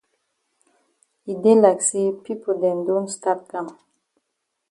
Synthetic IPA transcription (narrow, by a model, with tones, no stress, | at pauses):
i˨de˦la˨ksi˦pi˦po˨dɛ̃˨ndo˦nsta˦t̚kã˨m